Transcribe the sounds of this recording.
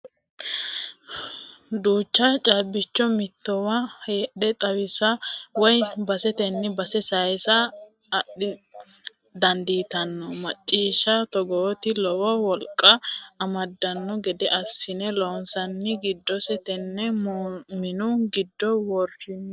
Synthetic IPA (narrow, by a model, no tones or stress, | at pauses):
d̪uːt͡ʃːɐt͡ʃʼaːbːɪt͡ʃːɔmɪt̪ːɔwɐeːɗɛt̪ʼɐwɪsɐwɔjbɐsɛt̪ɛnːɪbɐsɛsɐjsɐː | ɗɪ | d̪ɐnd̪iːt̪ɐnːɔmɐt͡ʃʼːiːʃɐt̪ɔɡoːt̪ɪlɔwɔwɔlkʼːɐːmɐd̪ːɐnːɔɡɛd̪ɛʔɐsːɪnɛloːnsɐnːɪɡɪd̪ːɔsɛt̪ɛnːɛmmɪnʊɡɪd̪ːɔwɔrɪn